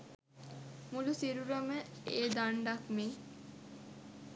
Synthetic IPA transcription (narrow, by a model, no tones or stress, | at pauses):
mulusiɾuɾəməeːd̪aɳɖakmeː